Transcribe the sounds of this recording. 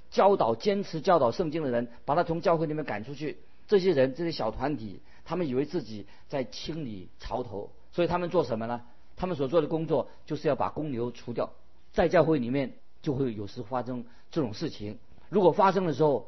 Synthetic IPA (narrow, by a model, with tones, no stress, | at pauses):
t͡ɕjɑ˥ʊt̪ɑ˨˩ʊt͡ɕjɛ˥nʈ͡ʂʰɻ̩˧˥t͡ɕjɑ˥ʊt̪ɑ˨˩ʊʂɤ˥˧ŋt͡ɕi˥ŋd̪ə˨ɻə˧˥npa˨˩t̪ʰa˥t͡sʰʊ˧˥ŋt͡ɕjʊxe˥˩li˨˩jɛ˥nŋka̰˨˩nʈ͡ʂʰu˥t͡ɕʰy˥˩ | ʈ͡ʂɤ˥˩ɕjɛ˥ɻə˧˥nʈ͡ʂɤ˥˩ɕjɛ˥ɕjɑ˨˩ʊt̪ʰwa˧˥nt̪ʰi˨˩˦ | t̪ʰa˥mə˨ni˨˩we˧˥ɪt͡sɹ̩˥˩t͡ɕi˨˩˦ | t͡sa˥˩ɪt͡ɕʰi˥ŋli˨˩ | ʈ͡ʂʰɑ˧˥ʊt̪ʰo˧˥ʊ | swɔ˧˥i˨˩t̪ʰa˥mə˨nt͡swɔ˥˩ʂə˧˥mə˧nə˧ | t̪ʰa˥mə˨ns̬wɔ˨˩t͡swɔ˥˩d̪ə˩kʊ˥ŋt͡swɔ˥˩ | t͡ɕjo˥˧ʊʂɻ̩˥˧jɑ˥˩pa̰˨˩kʊ˥ŋljo˧˥ʊʈ͡ʂʰu˧˥t̪jɑ˥˩ʊ | t͡sa˥˧ɪt͡ɕjɑ˥˧ʊxwe˥˩ɪli˨˩mjɛ˥˧n | t͡ɕjo˥˧ʊxwe˥˩ɪjo˨˩ʊʂɻ̩˧˥˩fa˥ʂɤ˥ŋ | ʈ͡ʂɤ˥˩ʈ͡ʂʊ˨˩ŋʂɻ̩˥˩t͡ɕʰi˧˥ŋ | ɻu˧˥kwɔ˨˩fa˥ʂ̬ɤ˥ŋd̪ə˨ʂ̬ɻ̩˧˥xo˥˩ʊ